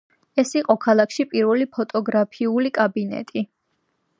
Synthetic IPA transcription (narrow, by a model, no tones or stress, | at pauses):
ɛsiqʼɔkʰalˠakʰʃipʼiɾvɛlipʰɔt̪ʼɔɡɾapʰiulikʼabinɛ̰t̪ʼi